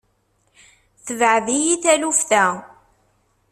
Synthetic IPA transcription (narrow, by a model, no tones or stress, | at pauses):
θəvʕðijiθælufθæ